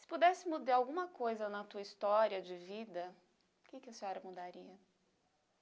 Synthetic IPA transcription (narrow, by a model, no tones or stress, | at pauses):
sɪ̥pud̪ɛsɪmud̪aawɡũmɐkojzɐnɐt̪uɐist̪ɔɾiɐd͡ʒɪvid̪ɐ | ʊkɪkɪɐseɔɾɐmud̪aɾiɐ